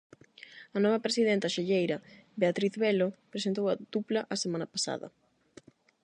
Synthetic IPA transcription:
ɐnɔβ̞ɐpɾesiðent̪ɐʃeʎejɾɐbeat̪ɾiθβelopɾesent̪owɐð̥uplɐʔɐsemãnɐpasa̰ðɐ̰

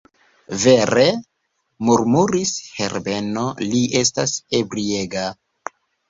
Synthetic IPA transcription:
ve̞ɾe̞ | muɾmuɾishe̞ɾbe̞no̞liʔe̞stase̞bɾie̞ɡa

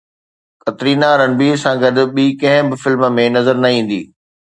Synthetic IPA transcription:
kɐt̪ɾiːnaːɾənɪ̆bisãːɡɐd̪ɓiːkɐ̃ɦɪ̃bɪfɪlm̆mẽnɐzəɾnɐĩːn̆d̪ḭː

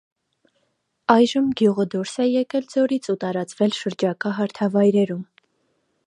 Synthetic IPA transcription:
ɑjʒəmɡjuʁəd̪uɾsɛjɛkɛld͡zɔɾit͡sʰut̪ɑɾɑt͡svɛlʃəɾd͡ʒɑkɑɦɑɾt̪ʰɑvɑjɾɛɾum

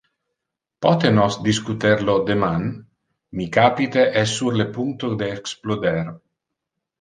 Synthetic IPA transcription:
pɔt̪enɔsd̪iskut̪ɛɾlod̪eman | mikapit̪eʔɛsːuɾlepuŋt̪od̪eːksplod̪ɛɾ

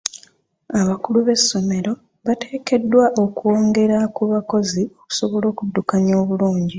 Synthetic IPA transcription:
aβakuluβe̞sːo̞me̞ɾo̞ | βate̞ːke̞dːwaʔo̞kuo̞ːŋɡe̞ɾakuβako̞zio̞ku̥so̞βo̞lo̞ːkudːukaɲo̞ːβuluːɲɟi

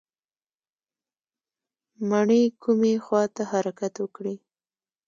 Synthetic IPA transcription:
maɳəjkʰumexwɑt̪ahaɾakat̪wəkɽi

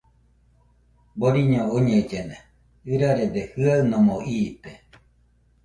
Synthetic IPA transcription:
boɾiɲooɲẽd͡ʒene | ɨɾaɾed̪ehɨaɨnomoʔiːt̪e

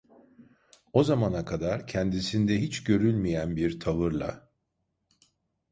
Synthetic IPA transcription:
o̞zamanakʰad̪aɾcʰɛnd̪isind̪ɛɦit͡ʃɟø̞ɾylʲmijænbiɾt̪ʰavɯɾlˠa̰

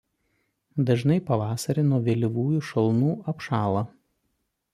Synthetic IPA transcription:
d̪ɐʒnɐɪpɐʋɑːsɐɾʲɪnuɔʋʲeːlʲɪʋuːjʊʃɐlˠnuːɐpʃɑːlˠɐː

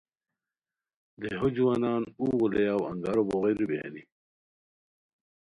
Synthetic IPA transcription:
d̪eɦod͡ʑuwanɑːnuːɣulejawa̰ŋɡaɾoboɣeɾubjḛːni

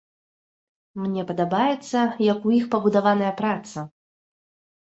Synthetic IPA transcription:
mnʲɛpɐd̪abajɛt̪sːɐjɐkujixpɐbud̪avanɐjɐpɾat̪sɐ

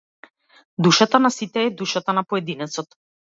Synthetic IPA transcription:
d̪uʃat̪anasit̪ɛːd̪uʃat̪anapɔɛd̪inɛt̪sɔt̪

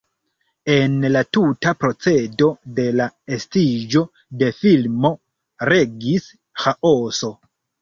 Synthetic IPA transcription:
e̞nlatutapɾo̞t͡se̞do̞de̞laestid͡ʒo̞ | de̞filmo̞ | ɾe̞ɡis | xaʔoso̞

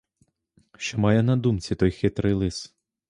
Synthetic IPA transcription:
ʃt͡ʃɔmɑjɛnɐd̪umt͡sʲit̪ɔjxɪt̪ɾɪjlˠɪs

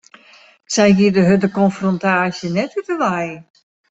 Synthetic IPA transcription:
sɛjɦiədəɦədəkɔnfrɔntaːsjənɛtytəʋaj

